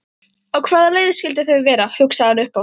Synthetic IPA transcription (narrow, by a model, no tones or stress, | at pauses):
ɔɣkʰvaːðaleːjðɪscɪlt̪̬ɪθœɥvɛːɾahʏksaɣanʏhpaw